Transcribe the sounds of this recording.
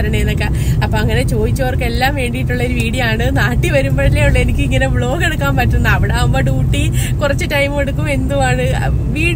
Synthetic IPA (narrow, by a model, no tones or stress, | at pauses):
ɾɐɳeenːokːe | ɐpːoːɐŋːɐne̞t͡ɕo̞ːd̪it͡ɕːuɐʋorkːee̞lːaːmʋe̞ːɳɖijiʈːuɭːɐoɾuʋiːɽijɐaːɳɨnaːʈːiʋɐɾumboːɭileuɭːenikʲːɨiŋːɐnebɭo̞ːke̞ɽukːaːmpɐtːunːɨɐʋiɽeːumboːɖuːʈːikurɐt͡ɕːɨtɐjmeɽukːume̞nd̪uʋaːɳɨ | ʋiːɽ